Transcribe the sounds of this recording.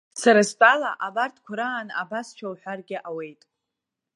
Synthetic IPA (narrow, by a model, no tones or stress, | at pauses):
saɾaspʼalaʔabartʰkʷʰʊɾaːna̰bast͡ʃʷʰawħʷᶣarɡʲɪʔawe̞jtʼ